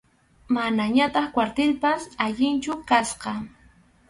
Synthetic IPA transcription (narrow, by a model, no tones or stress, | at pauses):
manaɲat̪ɑχkwaɾt̪ɪlpasaʎɪnt͡ʃʊkasqɑ